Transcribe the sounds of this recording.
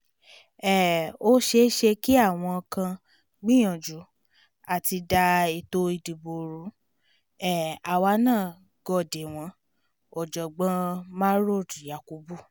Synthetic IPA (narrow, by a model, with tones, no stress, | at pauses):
ɛ˦˨o˦ʃe˧˦ʃe˧ki˦a˦˨w̃ɔ̃˧kã˧ | ɡ͡bĩ˦j̃ɔ̃˨d͡ʒu˨˦ | a˦˨ti˧da˧i˨to˧i˨di˨bo˨ɾu˨˦ | ɛ˦˨a˨wa˧˦nãː˦˨ | ɡɔ˧˨de˨w̃ɔ̃˨˦ | ɔ˨d͡ʒɔ˨ɡ͡bã˧˦mã˦ɾo˦˨dja˨ku˨˦bu˦˨